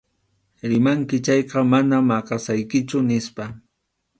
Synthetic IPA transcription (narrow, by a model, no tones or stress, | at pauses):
ɾɪmaŋkɪt͡ʃɑjqɑmanamɑqɑsajkɪt͡ʃʊnɪspa